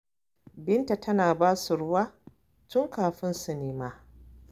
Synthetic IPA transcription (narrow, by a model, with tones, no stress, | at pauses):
bɪ˦nta˨tʰɐ˦naː˨baː˦su˨ɽʊ˦waː˦ | tʊ˦ŋkaː˨ɸɪ˦nsu˨neː˨maː˦